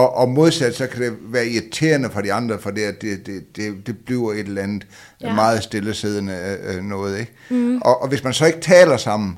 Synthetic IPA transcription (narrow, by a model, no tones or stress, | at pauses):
ɒ̽ʔɒmo̝ð̞ˠsæd̥sɒ̽kʰæd̥e̝ʋæːɐiit͡sʰe̝̰ːɐnəfɒ̽d̥iɑ̈nd̥ʁɐfɒ̽d̥eæd̥e̝d̥e̝d̥e̝d̥e̝b̥liʊɐe̝d̥lænð̩ˠ | mɑ̈ːð̞̩ˠsd̥eləse̝ð̞ˠnənɔ̽ːð̞̩ˠeɡ̥̚ | ʔɒ̽ʔɒʋe̝smænsɒ̽e̝ɡ̥ət͡sʰɛ̰ːlɐsɑ̈m̰n̩